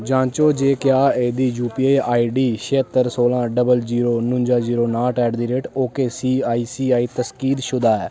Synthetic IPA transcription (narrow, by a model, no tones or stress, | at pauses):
d͡ʒãːt͡ʃoːd͡ʒeːkjaːeːd̪iːjuːpieːaːiːɖiːʃeːt̪ːəɾsoːlãːɖəbəld͡ʒiːɾoːnʊ̃ɲd͡ʒaːziːɾoːnaːʈɛːɖd̪iːɾeːʈoːkeːsiːaːiːsiːaːiːt̪əskiːd̪ʃʊd̪aːɛː